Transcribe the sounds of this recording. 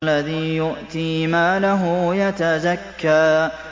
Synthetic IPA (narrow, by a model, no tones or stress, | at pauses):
lːaðiːjʊʔt̪iːmaːlaɦʊjat̪azakːaː